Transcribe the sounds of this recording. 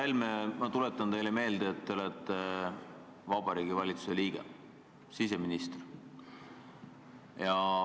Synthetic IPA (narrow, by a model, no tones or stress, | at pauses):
ɑlʲmemɑt̪ulet̪ːˑɑnt̪e̞jle̞me̞ːld̪eːt̪ːeolɛt̪ːe | vɑbɑɾiːɡ̥ivɑlʲit̪su̥se̞liːɡ̥ḛ | sise̞minist̪r | jɑ